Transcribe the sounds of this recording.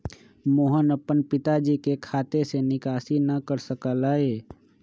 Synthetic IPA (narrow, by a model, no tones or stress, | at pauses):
moːɦənəpːənpɪt̪ad͡ʒikekʰaːt̪esenɪkaːsinəkəɾsəkəlaːeː